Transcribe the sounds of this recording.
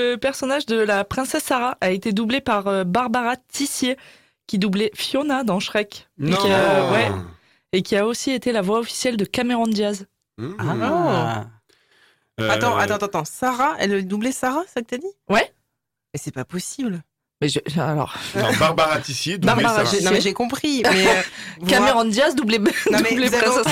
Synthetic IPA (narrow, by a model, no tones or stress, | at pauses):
əpɛʁsɔnaʒd̪əlapχɛ̃sɛsːaʁaʔaet̪ed̪ublepaʁøbaʁbaʁat̪ʰisje | kʲid̪ublɛfjɔnad̪ɑ̃ʃχɛk | wɛ | ekʲʰiaosiet̪elavwaɔfi̥sjɛld̪əkameʁɔ̃d̪jaz | a | at̪ɑ̃ʔat̪ɑ̃t̪ɑ̃t̪ɑ̃saʁaɛ̰ld̪ublɛsaʁasakət̪yad̪iwɛ | mɛsɛpapɔsibl | mɛʒəalɔ̰ʁbaʁbaʁat̪isjebaʁbaʁasnɔ̃mɛʒekɔ̃pχimɛvkameʁɔ̃d̪jazd̪ubleɛbleɛs